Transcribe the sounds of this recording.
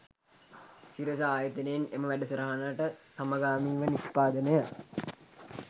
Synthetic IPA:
siɾəs̬aaːjət̪inejeneməʋæɖəsəɾaɦanaʈəsaməɡaːmiːʋənispaːd̪ənəjə

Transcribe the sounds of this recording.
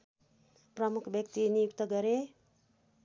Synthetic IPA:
prʌmukʰbjʌk̚t̪inijukt̪ʌɡʌɾe

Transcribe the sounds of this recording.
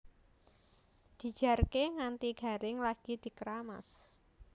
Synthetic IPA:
d̪̥i̤̥ʒ̥a̤rkeŋant̪iɡ̥a̤ɾɪŋlaɡ̥id̪̥i̤kəɾama̰s

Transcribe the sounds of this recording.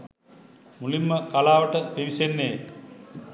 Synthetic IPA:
mulimːəkalaːʋəʈəpiʋisenːej

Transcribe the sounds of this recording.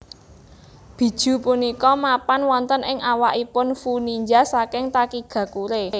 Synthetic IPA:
b̥i̤d̥ʒ̥ṳpunikɔmapanwɔnt̪ənɪŋʔawaʔipʊnfuniɲd͡ʒasakɪŋt̪akiɡ̥ä̤kuɾe

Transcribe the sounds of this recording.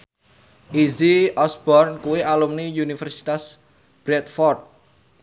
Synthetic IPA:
ʔiziɔsbɔrnkuwiʔalumniunifɛrsi̥t̪as | b̥ɾɛt̪̚fɔrt̪̚

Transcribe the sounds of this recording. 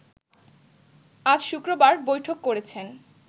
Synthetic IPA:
ad͡ʑʃukɾobaɾbojʈʰokːoɾet͡ɕʰen

